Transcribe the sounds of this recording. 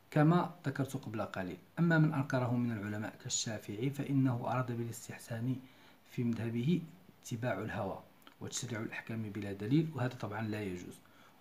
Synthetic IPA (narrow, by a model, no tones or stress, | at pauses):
kæmæd̪akɑɾˤt̪ʊqɑblaqɑlḭlʔæmːæmənʔɑɾkɑɾˤɑhʊmənəlʕʊlæmæ̰ʔkæʃːæfɪʕifæʔənːæhʊʔɑ̰ɾˤɑd̪abələst̪əħsæni | fimæd̪hæbəhiət̪ʰːəbaʕʊlhæwæ̰ | wət̪ə̥ʃɾiʕʊlʔaħkæmbəlæd̪ælilwhæd̪æt̪ˤɑbʕɑnlæjæʒṵz̥